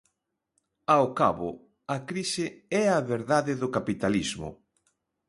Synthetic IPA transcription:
aokaβʊ̰ | ɐkɾisɪɛaβeɾðaðɪðʊkapit̪alizmʊ̰

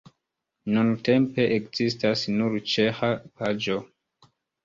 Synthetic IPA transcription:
nunte̞mpe̞ʔekzistasnuɾt͡ʃe̞xapad͡ʒo

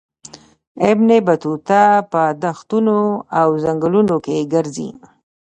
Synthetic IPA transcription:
ɪbnebat̪ut̪apəd̪axt̪unoawzaŋɡəlunokeɡəɾzḭ

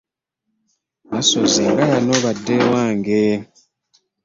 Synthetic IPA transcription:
βasozaɡajanɔβadewaŋɡe

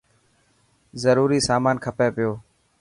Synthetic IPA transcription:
zəɾuːɾiːsaːmaːnkʰəpeːpɪjoː

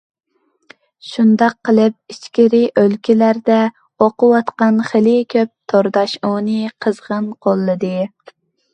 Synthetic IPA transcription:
ʃund̪ɑqʰːəlˠɨp̚iʃkʲiɾɪʔølkʲilæɾd̪ɛ | oqʊwɑt̪qɑnχelɪkʲʰøp̚t̪ʰoɾd̪ɑʃonɨqʰəzʁənqʰolˠːɨd̪ɨ

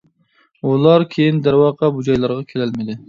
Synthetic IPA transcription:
ulˠɑɾkʲʰejind̪æɾwɑːqʰɑbud͡ʒɑjlˠɑɾʁɑkʲʰelælmɪd̪ɪ

